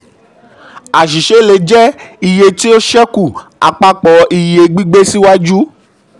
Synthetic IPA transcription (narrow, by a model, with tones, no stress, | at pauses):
a˨ʃi˨ʃe˨˦le˨˧˦d͡ʒɛ˦i˨je˧ti˦o˦ʃɛ˦ku˦˨a̰˨k͡pa˧k͡pɔ˨˧ʔi˨je˨ɡ͡bi˦ɡ͡be˦si˦wa˦d͡ʒu˦